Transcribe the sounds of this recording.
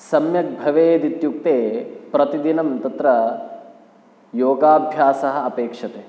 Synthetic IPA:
sɐmjɐk̚bʱɐʋeːd̪it̪juk̚t̪eːpɾɐt̪id̪inɐmt̪ɐt̪ɾɐ | joːɡaːbʱjaːsɐɦɐ̆ɐpeːkʂɐt̪eː

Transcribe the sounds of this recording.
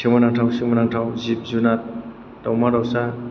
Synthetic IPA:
simanaŋtʰawsimanaŋtʰawzip̚zunat̚ː | awmaɾawsa

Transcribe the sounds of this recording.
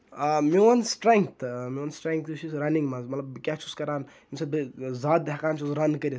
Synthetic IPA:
amiwɐnsʈɾẽŋk̚t̪ʰmiwɐnsʈɾẽŋk̚t̪t͡ʃʰisɾɐniŋɡmazmɐt̪lɐbkʲat͡ʃʰuskɐɾaːn | imsɐbzaːt̪̚d̪ɦakaːnt͡ʃʰuzɾɐnkɐɾi

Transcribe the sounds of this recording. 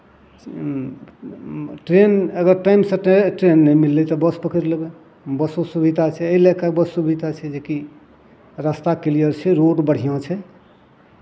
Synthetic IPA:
ʈɾenəɡəɾʈaimsə̃ʈɾenːɛmilːɛt̪ɔbəspəkʰəɾləbɛ | bəsosubʱid̪ʱat͡ʃʰɛəilekakbəsubʱid̪ʱat͡ʃʰɛd͡ʒeki | ɾast̪akilijəɾt͡ʃʰɛɾoɖbəɽ̤ijɔ̃t͡ʃʰɛ

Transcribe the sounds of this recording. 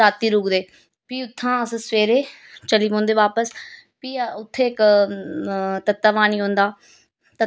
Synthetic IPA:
aːt̪iɾuːɡd̪eː | piːʊt̪ʰːãɐsə̃sʋeːɾe | t͡ʃɐliʋõːnd̪eʋaːpəs | piːʊt̪ʰek | t̪ɐt̪ːəʋaːniɦõːn̆d̪aː | t̪ɐ

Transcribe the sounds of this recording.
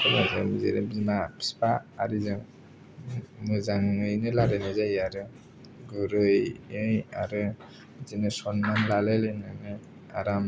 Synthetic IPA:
kɯmaza̰jmizḛɾɯbimapspaːɾizɯ | mɯzaŋɯjnɯlaɾɯnɯzajaɾɯ | ɡɯɾɯjɯjaɾɯ | zinɯsɔnmanlalɯlɯnɯnɯ | a̰ɾam

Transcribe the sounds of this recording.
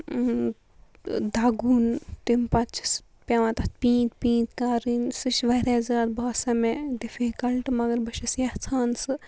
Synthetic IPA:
d̪aːɡuːnt̪impɐt͡ʃʰi̥s | pʲjaʋãt̪ɐt̪pĩːt̪pĩːt̪kaːɾinsɨʃʋɐɾeːzaːd̪baːsɐmẽd̪ifikɐlʈmɐɡɐɾbɐʃɐsjaht͡sʰaːnsɨ

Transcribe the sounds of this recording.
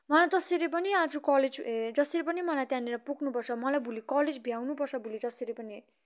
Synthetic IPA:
mʌlad͡zʌseɾip̬ʌniad͡zokʌled͡zd͡zʌseɾip̬ʌnimʌlajt̪jãneɾʌpuɡnupʌrt͡sʰʌmʌlajbʱulikʌled͡zbʱjawnupʌrt͡sʰʌbʱulid͡zʌseɾipʌni

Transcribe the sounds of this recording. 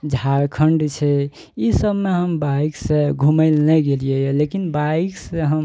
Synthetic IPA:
d͡ʒʱaɾkʰəɳɖt͡ʃʰɛ | isəbmeɦəmbaiksẽɡʱuməlnɛɡelijelekinbaikseɦəm

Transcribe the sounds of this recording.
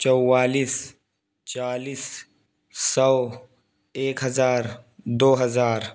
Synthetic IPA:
t͡ʃɔwwaːliːs | t͡ʃaːliːs | sɔ | eːkɦɐzaːɾd̪oːɦɐzaːɾ

